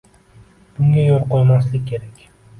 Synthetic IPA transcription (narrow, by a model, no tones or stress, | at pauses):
b̥ʊŋɡʲajolˠqolˠmaslɪkʲʰːe̞ɾakʲ